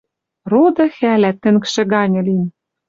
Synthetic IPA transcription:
rod̪ɤ̆xælæt̪ːɘ̆ŋkʃĕɣɑnʲɤ̆lim

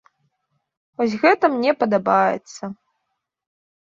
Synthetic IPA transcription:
vɔs̬ʲɣɛt̪ɐmnʲɛpɐd̪abajɛ̰t̪sːɐ

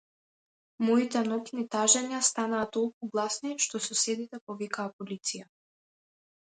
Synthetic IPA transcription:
mɔit̪ɛnɔknit̪aʒɛɲast̪anaːt̪ɔlˠkuɡlˠasniʃt̪ɔsɔsɛd̪it̪ɛpɔvikaːpɔlit̪sija

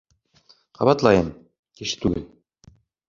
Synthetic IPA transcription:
qʰɑ̰βɑt̪lˠɑjɤm | kiʃɘ̥t̪ʉɡɘ̰l

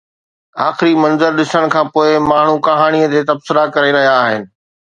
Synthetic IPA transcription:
aːxɪɾimɐ̃nzəɾɗɪsəɽ̃kʰãːpoːɪmaːɳ̤ukɐɦaːɽ̃iət̪eːt̪ɐbsɪɾakɐɾeɾɐɦijaːɦɪnɪ̆

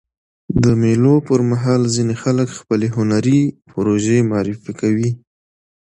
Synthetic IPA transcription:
d̪əmelopəɾmaɦɑlzinexaləkxpəleɦʊnaɾipʊɾoʒemɑɾifikawi

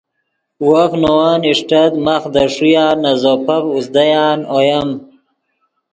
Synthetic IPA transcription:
wofnowaːniʂʈɐt̪maχd̪ɐʂujaːnɐzopɐpusd̪ajaːnojɐm

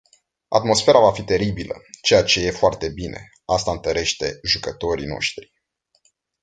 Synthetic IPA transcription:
a̰t̪mo̞sfe̞ɾavafit̪e̞ɾibilə̰t͡ʃe̞jat͡ʃe̞je̞foart̪e̞binʔe̞̰ | ast̪aɨnt̪əɾe̞ʃt̪e̞̰ʒukət̪o̞ɾḭno̞̰ʃt̪ɾi̥

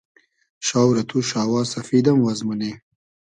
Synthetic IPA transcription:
ʃɑːwɾɐt̪ʰuʃɑːwɑːsɐfid̪amwazmune

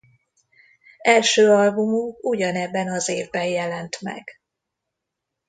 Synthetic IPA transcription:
ɛlʃøːɒlbumukuɟɒnɛbːɛnɒzeːvbɛjjɛlɛnt̪mɛ̰ɡ̥

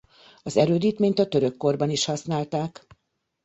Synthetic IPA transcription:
ɒzɛɾøːd̪iːt̪meːɲt̪ɒt̪ø̞ɾø̞kːo̞rbɒniʃhɒsnaːlt̪aːk

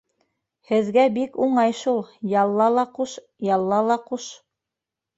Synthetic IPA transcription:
hɘ̆ðɡæbikuɴɑjʃulˠjɑlˠːɑlˠɑquʃ | jɑlˠːɑlˠɑquʃ

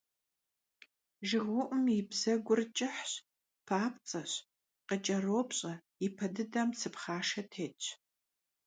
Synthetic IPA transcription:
ʒɪʁwʊʔʷʊmjɪbzɐɡʷʊrt͡ʃʼɪħɕ | pʰaːpʰt͡sʼɐɕ | qət͡ʃʼɐroːpɕʼɐ | ɪpʰɐdɨdɐmsɨpχaːʂɐtʰeːt͡ʃʼ

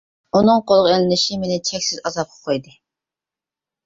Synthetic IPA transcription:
unɨŋqʰolˠʁelɪnɪʃimenɪt͡ʃʰɛkʲsɪzɑzɑp̚qʰə̥qʰojd̪ɨ

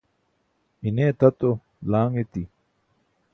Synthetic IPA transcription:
ineːt̪ɐt̪o | laːŋet̪i

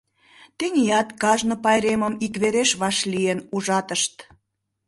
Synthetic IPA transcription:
t̪eŋiɑt̪kɑʒnopɑjɾeməmikβeɾeʃβɑʃlienuʒɑt̪əʃt̪

